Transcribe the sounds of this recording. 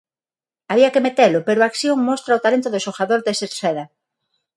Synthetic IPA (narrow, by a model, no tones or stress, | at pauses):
aβiakemet̪elʊpeɾoakθjoŋmost̪ɾaot̪alent̪ʊðosoxaðoɾd̪eseɾseðɐ